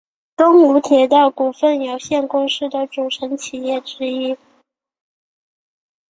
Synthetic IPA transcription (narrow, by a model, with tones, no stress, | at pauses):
t̪ʊ˥ŋu˧˥t̪ʰjɛ˧˥t̪ɑ˥˩ʊku˨˩fə˥˩njo˨˩ʊɕjɛ˥˩nkʊ˥ŋʂɻ̩˥˩d̪ə˩ʈ͡ʂu˨˩ʈ͡ʂʰə˧˥nt͡ɕʰi˨˩jɛ˥˩ʈ͡ʂɻ̩˥i˥